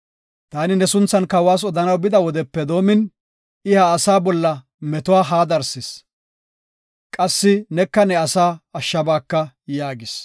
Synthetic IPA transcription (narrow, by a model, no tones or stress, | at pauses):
t̪aːnɪnɛsʊnt͡sːɐnkɐwaːs̬ɔd̪ɐnɐwbɪd̪ɐwɔd̪ɛpːɛd̪o̞ːmɪn | ɪhɐːsaːbɔlːɐ | mɛt̪ʊwaːɦaːd̪ɐɾsɪs | kʼɐsːɪnɛkːɐnɛɐsaːɐʃːɐbaːkːɐ | jaːɡɪs